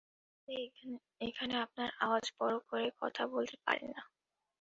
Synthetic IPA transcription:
ekʰaneap̚naɾawad͡ʑbɔɾokoɾekɔ̰t̪ʰabolt̪e̥pa̰ɾḛnːa

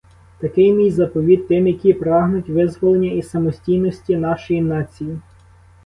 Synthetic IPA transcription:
t̪ɐkɪjmʲijzɐpɔʋʲid̪̚t̪ːɪmjɐkʲipɾɑɦnʊtʲʋɪzʋɔlˠenʲːɐisɐmɔsʲtʲijnɔsʲtʲinɑʃɔjinɑt͡sʲiji

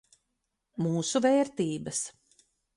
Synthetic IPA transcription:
muːsuvɛːɾt̪iːbɐs

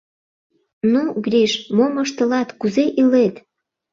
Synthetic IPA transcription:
nuɡɾʲiʃmoməʃt̪ə̆lɑt̪kuzeʔilet̪

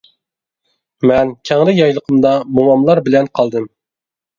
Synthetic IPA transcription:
mɛnkʲʰɛŋlɪjɑjlˠəqʰəmd̪ɑmoɑmlˠɑɾbɪlɛnqʰɑlˠd̪ɨm

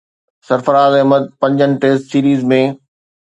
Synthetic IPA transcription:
sɐɾfəɾaːzɛ̃ɦməd̪̚pɐ̃ɲd͡ʑənɪ̆ʈeːsʈsiːɾiːzmẽ

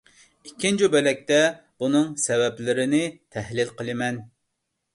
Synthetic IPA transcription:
ikʲʰːind͡ʒubɛlɛk̚ʲt̪ɛ | b̥unɨŋsɛvɛplɪɾɪnɪt̪ʰɛhlɪlqəlˠɨmɛn

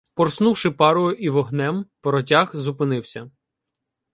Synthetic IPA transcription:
pɔrsnuwʃɪpɑɾʊjʊʔiʋɔɦnɛmpɔɾɔtʲaxzʊpɪnɪwsʲɐ

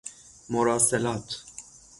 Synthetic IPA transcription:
moɾaːsɛlaːt̪

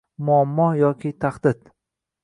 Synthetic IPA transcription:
mʊamːɒjɒkʲʰɪt̪ʰaχd̪ɪd̪

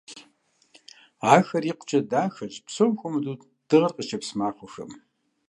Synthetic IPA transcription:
aːxɐriqʷt͡ʃɐdaːxɐʑpsomxʷʊmdu | d̥ɨʁɐrqʼət͡ʃʰɐpsmaːχʷʊxɐ̰m

